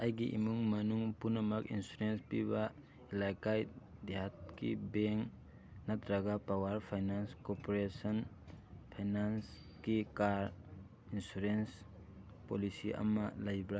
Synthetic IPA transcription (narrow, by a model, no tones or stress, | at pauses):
ɐjɡiʔḭmuŋmɐnuŋpunɐmɐkinsuɾenspiβa | ilajkajd̪eɦat̚kḭbeŋk | nɐt̪ʰɾaɡapawaɾpʰajnanskopoɾesɔn | pʰajnans | kikaɾ | insuɾens | polisiʔɐ̰mɐlajbɾa